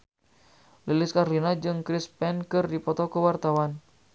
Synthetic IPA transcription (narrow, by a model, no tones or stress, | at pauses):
lilɪskaɾlinad͡ʒɨŋkɾispɛnkɨrdipɔt̪ɔkəwart̪awan